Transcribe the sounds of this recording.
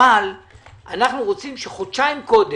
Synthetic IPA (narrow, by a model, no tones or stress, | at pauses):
alʔanaχnuʁo̞t͡simʃeχodt͡ʃaimko̞de